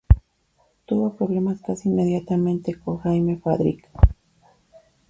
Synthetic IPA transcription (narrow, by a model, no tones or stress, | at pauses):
t̪uβopɾoβle̞maskasiinmeðjat̪amẽ̞nt̪ekoxajmefaðɾḭk